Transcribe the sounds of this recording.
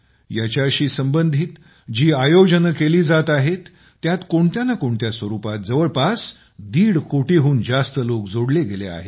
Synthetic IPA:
jat͡ɕjaəɕiːsəmbənd̪ʱiːt̪ | d͡ʑiːajod͡ʑənəkeliːd͡zat̪aɦet̪ː | jat̪koɳt̪janakoɳt̪jasʋəɾupat̪̚d͡zəʋəɭpas | d̪iːɽkoʈeɦuːnd͡zast̪əlokd͡zoɽleɡelḛa̰ɦḛt̪

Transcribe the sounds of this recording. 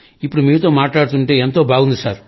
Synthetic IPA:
ipːuɽumiːɾut̪o̞ːmaːʈlaːɽut̪uɳʈe̞ːent̪o̞ːbʱaːɡund̪isaːɾ

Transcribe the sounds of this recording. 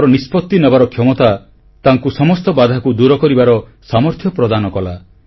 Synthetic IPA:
ɾɔnispɔt̪ːinɔbaɾɔkʰjɔmɔt̪a | t̪aŋkusɔmɔst̪ɔbad̪ʱakud̪uɾɔkɔɾibaɾɔsamɔɾt̪ʰjɔpɾɔd̪anɔkɔla

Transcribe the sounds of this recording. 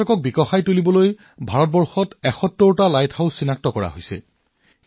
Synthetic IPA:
ɔkɔk̚bikɔxajtulibɔloj | bʱaɹɔt̚bɔɹxɔtɛxɔtːɔɹtalajtʰhawssːinak̚tɔkɔɹa̰ɦojsɛ̰

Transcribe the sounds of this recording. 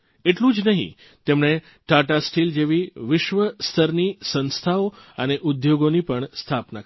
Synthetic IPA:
eʈlũd͡ʒnəɦḭ̃ | t̪emɳ̃e | ʈaʈasʈild͡ʒeʋiʋɪʃʋəst̪ʰəɾnisə̃nst̪ʰaoəneʔʊd̪joɡonipəɳst̪ʰapna

